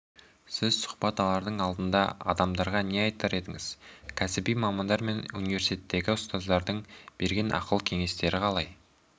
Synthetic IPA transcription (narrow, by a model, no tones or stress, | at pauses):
sɪzsʊ̥χbɑt̪ɑlˠɑɾd̪əɴɑlˠd̪ənd̪ɑ̰ɑ̰d̪ɑmd̪ɑɾʁɑne̞ɑjt̪ɑɾe̞d̪ɪŋɪz̥kʲʰæsɪbijmɑmɑnd̪ɑɾme̞nunive̞ɾsit̪ʰet̪ːe̞ɡʲɪʊst̪ɑzd̪ɑɾd̪əɴb̥e̞ɾɡʲe̞nʔɑ̰qəlˠkʲʰe̞ŋe̞st̪e̞ɾɪqʰɑlˠɑj